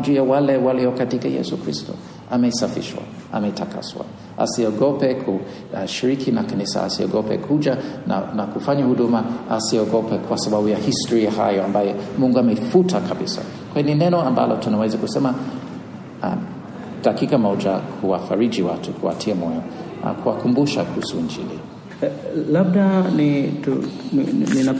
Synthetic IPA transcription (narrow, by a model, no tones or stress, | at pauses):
d͡ʒujawalɛwaliɔkatikajɛ̰sukɾistɔ̰ | amɛisafḭʃwa̰ | ʔa̰mɛitaka̰swa̰ | ʔa̰siɔɡɔpɛkʰu | ʃiɾikʰinakanisa̰a̰siɔ̰ɡɔpɛ̰kʰud͡ʒana̰nakufaɲahuɗumaasiɔɡɔpɛkʰwasababujahistɔɾiaha̰jɔambajɔmuŋɡuamɛfutʰakabisa̰ | kwaininɛnɔamba̰lɔtunawɛzakusɛma | a̰ | dakikamɔd͡ʒakʰuwafaɾid͡ʒiwatʰukʰua̰tʰiamɔjɔ̰ | kʰuwakumbuʃakuhusuind͡ʒḭlḭ | lab̚danitu | nina